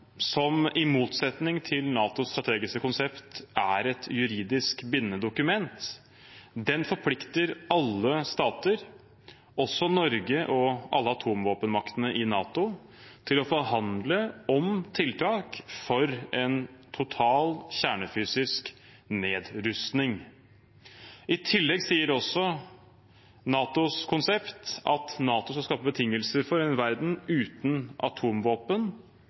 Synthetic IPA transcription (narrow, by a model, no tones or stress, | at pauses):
sɔmɪmuːt̪sɛt̪nɪŋt̪ʰɪlnɑːt̪ʊst̪ɾɑt̪ʰeːɡɪskəkʊnsɛpt̪æɾɛt̪jʉɾiːd̪ɪskbɪnːəd̪ʊkʉmɛnt̪ | d̪ɛnfɔɾpʰlɪkt̪əɾɑlːəst̪ɑːt̪əɾ | ɔsɔnɔɾɡəʔɔʔɑlːəɑt̪ʰuːmʋoːpənmɑkt̪ənəʔɪnɑːt̪ʊ | t̪ʰɪlɔfɔɾhɑnd̪ləɔmt̪ʰɪlt̪ʰɑːkfɔɾɛnt̪ʰʊt̪ʰɑːlçæːɳəfyːsɪsk | neːd̪ɾʉst̪nɪŋ | ɪt̪ʰɪlːɛɡsiːəɾɔsːɔ | nɑːt̪ʊskʰʊnsɛpt̪ɑt̪nɑːt̪ʊskɑskɑːpəbət̪ʰɪŋːəlsəɾfɔɾɛnʋæɾd̪n̩ʉːt̪nʔɑ̰t̪ʰuːmʋoːpən